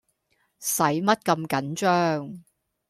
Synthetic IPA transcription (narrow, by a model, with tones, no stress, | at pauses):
sɐ˨˥jmɐ˥t̚kɐ˧mkɐ˨˥nt͡ʃœː˥ŋ